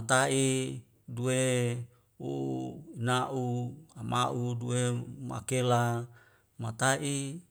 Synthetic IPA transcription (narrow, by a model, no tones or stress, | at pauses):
at̪aʔi | due | uinaʔuama̰ʔuduema̰kela | mat̪aʔi